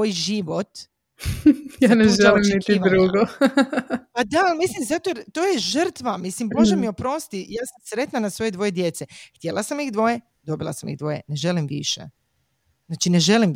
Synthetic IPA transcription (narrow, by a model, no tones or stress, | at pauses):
ojʒiʋot̪ | jaːneʒelimnit̪id̪ɾuɡo | pad̪almislimzat̪ot̪oːjeʒər̩t̪ʋamislimboʒemiopɾo̞st̪ijaːsamsɾe̞t̪nanasʋo̞je̞d̪ʋo̞je̞d̪je̞t̪se̞xt̪jelˠasamixd̪ʋo̞je | d̪o̞bilˠa̰samḭɣd̪ʋo̞jḛne̞ʒe̞limʋḭʃḛ | znaːt͡ʃine̞ʒe̞lim